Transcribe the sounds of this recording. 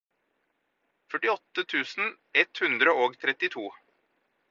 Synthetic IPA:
fœʈɪɔt̪ːət̪ʰʉːsn̩ | ɛt̪hʉnd̪ɾəoːɡt̪ʰɾɛt̪ɪt̪ʰuː

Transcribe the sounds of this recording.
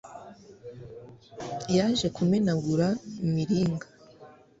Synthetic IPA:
jaʒe̞kumenaɡuɾamiɾiːŋɡa

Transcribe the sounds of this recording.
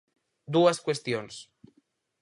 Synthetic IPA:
d̪uaskwest̪jons

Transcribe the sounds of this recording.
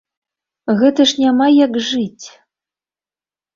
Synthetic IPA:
ɣɛt̪ɐʂnʲamajakʐɨt͡sʲ

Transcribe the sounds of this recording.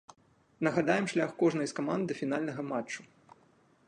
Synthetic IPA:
nɐɣad̪ajɛmʂlʲaxkɔʐnɐjskamand̪ɨfʲin̪alʲnɐɣɐmat͡ʂt͡ʂːu

